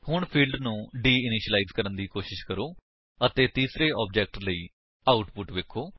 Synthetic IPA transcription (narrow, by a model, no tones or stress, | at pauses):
hʊɳpʰiːlɖnũːɖiːɪnɪʃəlaiːzkəɾənd̪iːkoːʃɪʃkəɾoː | ət̪eːt̪iːsɾeːɔːb̚d͡ʒɛːk̚ʈləiː | aːʊʈpʊʈʋeːkʰːoː